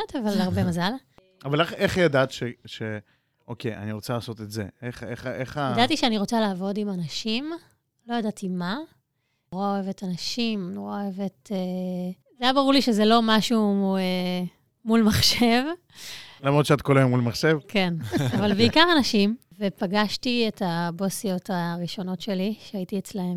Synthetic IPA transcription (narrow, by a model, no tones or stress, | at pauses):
at̪avalaʁbemazal | avaleχeχjadat̪ʃeʃe | ʔo̞keja̰niʁo̞t͡salaːso̞t̪etzḛeχeχeχaadat̪iʃeaniʁo̞t͡salaːvo̞dimanaʃim | lo̞jadatima | nʁaoevetanaʃimnoʁaoevete | zejabaʁuʁliʃezelo̞maʃue | mulmaχʃe̞v | lamʁodʃeatkolajomulmaχʃevke̞navalbeikaʁanaʃim | vepaɡaʃtietabosijo̞taʁiʃo̞no̞tʃe̞liʃeaitiet͡slahem